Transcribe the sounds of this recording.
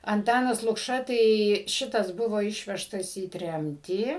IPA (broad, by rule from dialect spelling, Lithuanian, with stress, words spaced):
ɐnˈtɑːnɐs lˠʊkˈʃɐ tɐɪ ˈʃʲɪtɐs ˈbʊʋoː ˈɪʃʲʋʲɛʃtɐs iː ˈtʲrʲɛmʲtʲiː